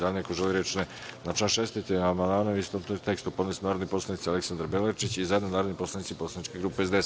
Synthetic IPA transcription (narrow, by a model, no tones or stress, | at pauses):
ad̪nekoʒeliɾet͡ʃne | nat͡ʃanʃest̪it̪enamand̪maːnoist̪omt̪t̪e̞kst̪upo̞d̪nesnaːɾod̪nipo̞slˠanit̪ialeksand̪aɾbelet͡ʃit͡ɕizajed̪nonaːɾo̞d̪nipo̞slˠanit̪siposlˠanit͡ʃkeɡɾuːpeezd̪ees